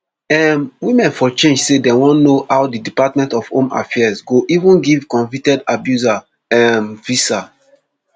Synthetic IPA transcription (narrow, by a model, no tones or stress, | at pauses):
ɛmwimɛ̃nfɔt͡ʃẽnd͡ʒsedewɔ̃nːohawdidipatmɛ̃ntɔfhõ̰ma̰fɛɛsɡoʔivũnɡivkɔ̃ɱvitɛdabjuza | ɛmvisa